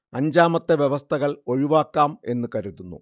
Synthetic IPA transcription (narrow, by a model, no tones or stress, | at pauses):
ɐɲd͡ʑaːmɐt̪ːeʋjeʋɐst̪ʰɐɣɐɭo̞ɻiʋaːkːaːme̞nːɨkɐɾuðunːṵ